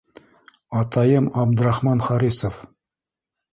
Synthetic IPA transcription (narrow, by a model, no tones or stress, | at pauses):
ɑt̪ɑjɤmɑbd̪ɘ̆ɾɑχmɑnχɑɾisof